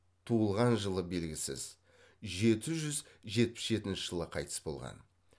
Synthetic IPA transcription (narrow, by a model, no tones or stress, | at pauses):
t̪ʰuəlˠʁɑnʒəlˠəbe̞lɡʲɪsɪ̰z | ʒe̞t̪ɪʒʏzʒe̞t̪̚pɪ̥sʒe̞t̪ɪnʃɪʒ̥əlˠəqʰɑjt̪ʰə̥sbo̞̰lˠʁɑ̰n